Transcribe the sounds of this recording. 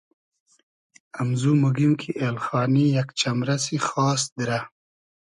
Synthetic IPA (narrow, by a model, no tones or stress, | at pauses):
amzumuɡimkʰiʔelxɑːnijakt͡ʃamɾasixɑːs̬d̪ɾa